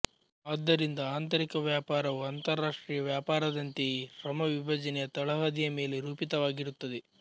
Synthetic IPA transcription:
aːd̪ːɐɾind̪ɐaːnt̪ɐɾikɐʋjaːpaːɾɐʋuɐnt̪ɐɾːaːʂʈɾiːjɐʋjaːpaːɾɐd̪ɐnt̪iɾɐmɐʋibʱɐd͡ʒɐnɛjɐt̪ɐɭɐɦɐd̪ijɐme̞ːleɾuːpit̪ɐʋaːɡiɾut̪ːɐd̪e

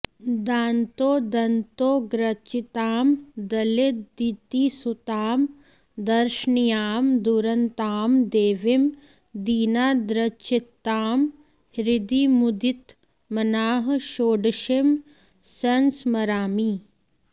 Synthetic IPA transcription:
d̪aːnt̪oːd̪ɐnt̪oːɡɾɐt͡ʃit̪aːmd̪ɐlet̪̚d̪it̪isut̪aːm | d̪ɐɾʃnijaːmd̪uɾɐnt̪aːmd̪eːʋim | d̪iːnaːd̪ɾɐt͡ʃit̪ːaːm | hɾɪd̪iːmud̪it̪ | mɐnaːɦʃoːɖʃem | sɐnsmɐɾaːmiː

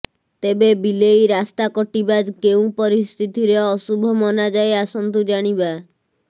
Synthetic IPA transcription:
t̪ebebilejɾast̪akɔʈibad͡ʒkeũpɔɾist̪ʰit̪iɾeɔsubʱɔmɔnad͡ʒaeasɔnt̪ud͡ʒaɽ̃iba

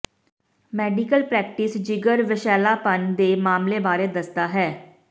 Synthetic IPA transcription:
mɛːɖikəlpɾɛːkʈɪsd͡ʒɪɡəɾʋɪʃɛːlaːpənd̪eːmaːmleːbaːɾeːd̪əst̪aːɦɛː

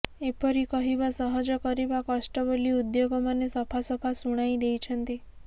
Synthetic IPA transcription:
epɔɾikɔɦibasɔɦɔd͡ʒɔkɔɾibakɔsʈɔboliud̪joɡɔmanesɔpʰasɔpʰasuɽ̃ajd̪ejt͡ʃʰɔnt̪i

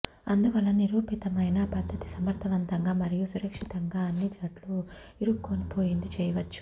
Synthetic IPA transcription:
ɐnd̪uʋɐlːɐniɾuːpit̪ɐmɐjnɐbɐd̪ʱːɐt̪i̥sɐmɐɾt̪ʰɐʋɐnt̪ɐŋɡaːmɐɾijusuɾɐkʂit̪ɐŋɡaːɐnːid͡ʒɐʈlu | iɾukːonipo̞ːjind̪it͡ʃɛːjɐʋɐt͡ʃːu̥

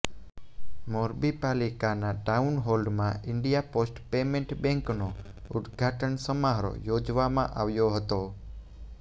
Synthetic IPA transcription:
moɾbipalikanaʈaunɦolɖmãɪɳɖijaposʈpemẽɳʈbɛ̃ŋkno | ʊd̪ɡʱaʈənsəmaɦɾo̰jod͡ʒʋamãʔaʋjoɦət̪o

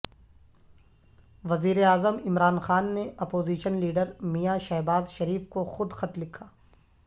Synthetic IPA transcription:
ʋɐziːɾeaːzəmɪmɾaːnxaːnːeɐpoːziːʃənliːɖəɾmijaʃɛɦbaːzʃɐɾiːfkoxʊd̪xɐt̪lɪkʰːaː

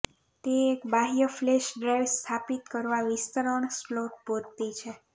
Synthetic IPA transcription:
t̪eːkbaɦijəfleʃɖɾajʋst̪ʰapit̪kəɾʋaʋist̪əɾəɳsploʈ̚poɾt̪it͡ʃʰe

